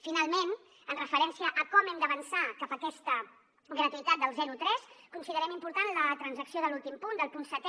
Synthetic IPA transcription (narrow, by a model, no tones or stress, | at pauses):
finalˠmen | ənrəfəɾɛnsiəʔːkɔmɛmd̪əβənsakapəkɛst̪ə | ɡɾət̪uit̪at̪̚d̪əlˠzɛɾut̪ɾɛskunsiðəɾɛmimpuɾt̪anlət̪ɾənzəksioðəlulˠt̪impund̪əlˠpunsət̪